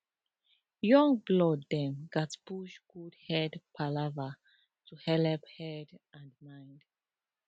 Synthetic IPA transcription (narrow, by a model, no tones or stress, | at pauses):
jɔ̃ŋblɔdːɛ̃mɡatpuʃɡ̥udhɛdpʰalava | tʰuhɛlɛphɛdʔãndmãjnd